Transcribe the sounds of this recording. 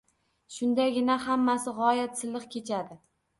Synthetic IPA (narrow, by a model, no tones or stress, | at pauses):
ʃʊnd̪aɡʲɪnahamːasɪʁɒjat̪sɪzlːɨqkʲʰe̞t͡ʃʰad̪ɪ